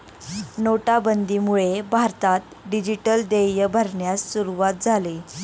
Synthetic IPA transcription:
noʈabənd̪ʱimuɭebʱaɾt̪at̪ | ɖid͡ʑiʈəld̪ejəbʱəɾɳjasːuɾuʋat̪̚d͡zʱaliː

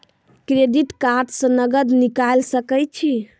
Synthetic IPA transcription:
kɾeɖiʈkaɾɖsə̃nəɡəd̪nikalsəkəjt͡ʃʰi

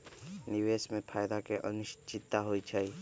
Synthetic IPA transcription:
niʋesmẽpʰaːjd̪akeʔənʊʃt͡ʃʰɪt̪ːaɦoit͡ʃʰəj

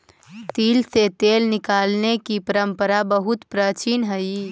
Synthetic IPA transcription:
t̪iːlset̪eːlnɪkaːlnekipəɾə̃mpəɾabəɦʊt̪pɾaːt͡ʃiːnɦəi

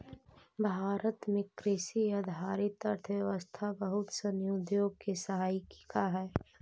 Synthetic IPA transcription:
bʱaːɾət̪mẽkɾɪsiɐd̪ʱaːɾit̪əɾt̪ʰʋjɛʋəst̪ʰabəɦʊt̪sənjoːd̪joːɡ̚kesəɦaːjkkaɦɛː

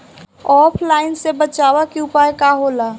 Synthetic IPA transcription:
ɔːpʰlaːɪnsebət͡ʃaːwakiʊpaːjkaɦoːlaː

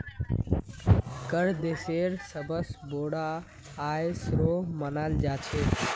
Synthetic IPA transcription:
kəɽd̪eseɾsəbəsboɽaː | jsɾomənald͡ʒat͡ʃʰe

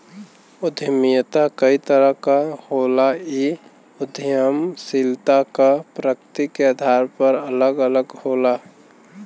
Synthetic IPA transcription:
ʊd̪ʱəmijət̪akəit̪əɾəɦkaholai | ʊd̪ʱjjəmsilt̪akapɾəkt̪ikead̪ʱaːɾpəɾələɡələɡhoːla

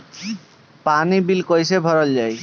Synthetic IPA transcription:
panibilkojsebʱɔɾɔld͡ʒaj

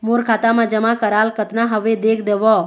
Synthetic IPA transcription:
moɾkʰat̪amãd͡ʒəmakəɾalkət̪naɦəʋed̪ekʰd̪eʋɔ

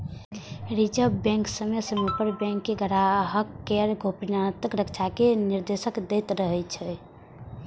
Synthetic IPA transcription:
ɾit͡ʃəbɛ̃ŋksəmesəmepəɾbɛ̃ŋkːeɡʱəɾaɦəkːeɾɡʱopinat̪əkɾəkt͡ʃʰakeniɾd̪esəkd̪ɛt̪ɾəɦɛt͡ʃʰɛ

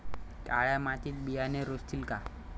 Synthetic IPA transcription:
ʈaɭamat̪it̪̚bijaneɾost̪ʰilka

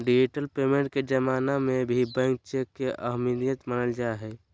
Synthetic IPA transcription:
ɖid͡ʒiʈəlpemẽɳʈ̚ked͡ʒəmanamebʱibə̃ŋk̚t͡ʃekːeʔə̰ɦminijət̪mənəld͡ʒaeɦɛ

